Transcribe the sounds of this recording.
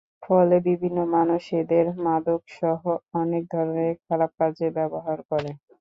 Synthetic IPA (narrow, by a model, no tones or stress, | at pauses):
fɔlebibʱinːomanuʃed̪eɾmad̪okʃɔɦoɔnek̚d̪ʱɔɾoneɾkʰalap̚kad͡ʑebɛboɦaɾkɔɾe